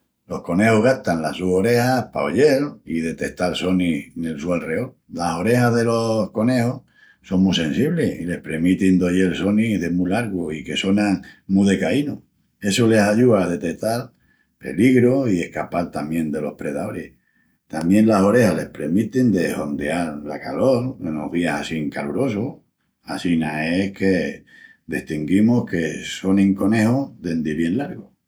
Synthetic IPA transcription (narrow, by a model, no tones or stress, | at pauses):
lo̞hko̞ne̞hoɦɣaht̪anlasuho̞ɾe̞hahpa̰oʎe̞liðe̞t̪e̞ht̪also̞niŋe̞lsualre̞ol | laso̞ɾe̞haðe̞lo̞hko̞ne̞hoh | so̞ŋmusẽ̞nsiβleile̞hpɾe̞mit̪ind̪o̞ʎe̞lso̞niɦðe̞mulaɾɣoike̞sonaŋmuðe̞kaino | e̞sole̞saʎuaːðe̞t̪e̞ht̪al | pe̞̰liɣɾoie̞hkapalt̪amjẽ̞nd̪e̞lo̞̰hpɾe̞ð̞aoɾe̞h | t̪amjẽ̞nlaso̞ɾe̞hale̞hpɾe̞mit̪ind̪e̞ho̞nd̪eaɾlakalo̞ɾeno̰βiasasiŋkaluɾo̞soh | a̰sinaehke̞ | d̪eht̪iŋɡimohke̞so̞nẽŋko̞ne̞hoðe̞nd̪eβje̞nlaɾɣo